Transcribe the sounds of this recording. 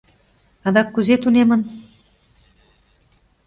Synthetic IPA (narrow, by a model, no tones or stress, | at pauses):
ɑd̪ɑkːuzet̪unemə̆n